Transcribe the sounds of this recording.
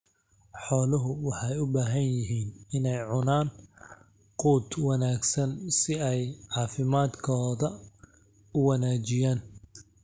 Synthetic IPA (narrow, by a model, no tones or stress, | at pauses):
ħɔːlʊɦʊwɑħɑjʊbaːɦɐnjɪɦiːnɪnɛjʕʊnaːn | quːd̪wɑnaːɡsɐnsɪɛjʕɑːfɪmaːd̪kʰɔːðɐ | ʊwɑnaːt͡ʃɪjaːn